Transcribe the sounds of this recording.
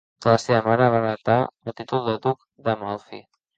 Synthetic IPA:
d̪̥ələseβəmaɾəβaɾət̪aəlˠt̪it̪ulˠd̪əd̪uk | d̪əmɔlˠfḭ

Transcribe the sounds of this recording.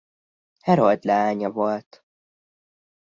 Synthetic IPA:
hɛɾold̪lɛaːɲɒvolt̪

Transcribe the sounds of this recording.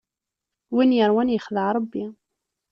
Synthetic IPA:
winjəɾˤwænjəχðəʕɾˤəbːi

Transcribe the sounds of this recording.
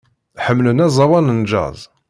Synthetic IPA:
ħəmːlənæzˤɑwɑnənd͡ʒɑ̰zˤ

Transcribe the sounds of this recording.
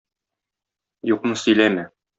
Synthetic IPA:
juqnɤsɵ̆jlæmɘ

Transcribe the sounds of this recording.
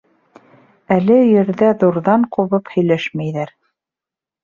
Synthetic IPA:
ælɘjɘ̆ɾðæðuɾðɑɴquβɤphɵ̆jlæʃmæjðæɾ

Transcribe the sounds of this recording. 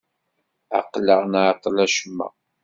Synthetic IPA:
a̰qːləʁnaʕqːlæʃəmːæ̰

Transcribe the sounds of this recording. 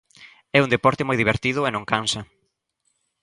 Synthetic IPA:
ɛund̪epɔɾt̪ɪmojðiβeɾt̪iðʊenõŋkansɐ

